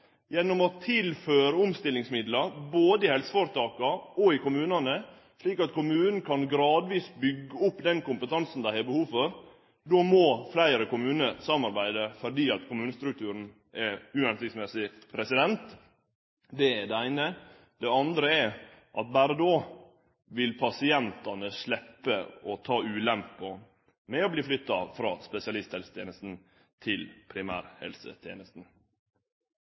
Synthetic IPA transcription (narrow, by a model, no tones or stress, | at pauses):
jɛnːɔmɔt̪ʰɪlføːɾəʊmst̪ɪlːɪŋsmɪd̪lɑboːd̪əɪhɛlsə̥foɾət̪ʰɑːkɑɔɪkʊmʉːnɑnə | ʂɭiːkɑt̪kʰʊmʉːnən̩kʰɑnɡɾɑːd̪ʋiːsbʏɡːəʊpːd̪ɛnkʊmpət̪ʰɑnsn̩d̪æɪhɛbəhuːfɔɾ | d̪oːmɔflæɪɾəkʊmʉːnəsɑmːɑɾbæɪd̪əfɔɖiːɑt̪kʰʊmʉːnəst̪ɾʉk̚t̪ʰʉːɾn̩ | ɛʉːɛnsɪksmɛsɪ | pʰɾɛsɪd̪ɛnt̪ | d̪ɛɛɖɛæɪnə | d̪̥ɛɑnd̪ɾəɛʔɑt̪̚bæːɾəd̪oː | ʋɪlpʰɑsɪɛnt̪ɑnəslɛpːəɔt̪ʰɑːʉːlɛmpːɔ | mɛɔbliːflʏt̪ːɑfɾɑːspɛsɪɑlɪst̪hɛlsət̪jeːnəst̪n̩ | t̪ʰɪlpʰɾɪmæ̰ːɾhɛ̰lsə̰t̪ʰjḛːnəst̪n̩